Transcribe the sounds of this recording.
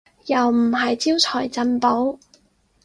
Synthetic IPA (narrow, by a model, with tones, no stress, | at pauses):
jɐ˨˩wm̩˨˩ɦɐ˨jt͡siː˥wt͡sʰɔː˨˩jt͡sɐ˧npo˨˥w